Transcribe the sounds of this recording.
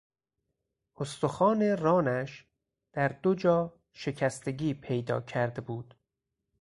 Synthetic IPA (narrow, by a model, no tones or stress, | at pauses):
ʔost̪oxɒːne̞rɒːnæʃ | d̪̥æɾd̪od͡ʒɒː | ʃe̞cʰæst̪e̞ɟiːpʰe̞jd̪ɒ̰ːcʰæɾd̪ebuːd̪̥